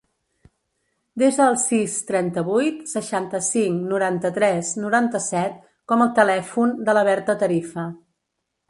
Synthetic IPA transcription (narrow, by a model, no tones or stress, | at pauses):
d̪ezðəːlˠsist̪ɾɛnt̪əβujt̪səʃant̪əsiŋnuɾant̪ət̪ɾɛsnuɾant̪əsɛt̪̚ | kɔməlˠt̪əlɛfund̪ələβɛɾt̪ət̪əɾifə